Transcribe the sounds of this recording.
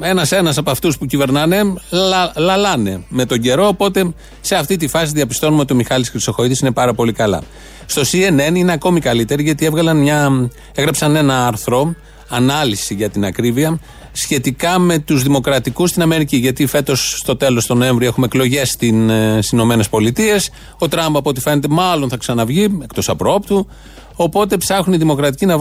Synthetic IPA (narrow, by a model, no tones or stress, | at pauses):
e̞nɐse̞nɐsɐpoɐft̪uspucive̞ɾnɐne̞ | lɐlɐne̞me̞t̪o̞ɲɟe̞ɾo̞ːpo̞t̪e̞ | se̞ɐft̪it̪̬ifɐsiðiɐpi̥st̪o̞numeot̪io̞mixɐlisɾiso̞xo̞iðisine̞pɐɾɐpo̞likɐlɐ̰ | st̪o̞sie̞ne̞nine̞ɐko̞mikɐlit̪e̞ɾiʝɐt̪ievɣɐlɐnmɲɐ | eɣɾɐpsɐne̞nɐɐɾθɾo̞ | ɐnɐlisiʝɐt̪inɐkɾiviɐ | sçe̞t̪ikɐme̞t̪uzðimo̞kɾɐt̪ikust̪inɐme̞ɾiciʝɐt̪ife̞t̪o̞sːt̪o̞t̪e̞lo̞st̪o̞no̞e̞ɱvɾioe̞xumeeklo̞ʝe̞st̪insino̞me̞ne̞spo̞lit̪ie̞s | o̞t̪ɾɐmbɐpo̞t̪ife̞ne̞t̪e̞mɐlo̞nθɐksɐnɐvʝiekt̪osɐpɾoo̞p̚t̪u | o̞po̞t̪e̞psɐxuniðimo̞kɾɐt̪icinɐ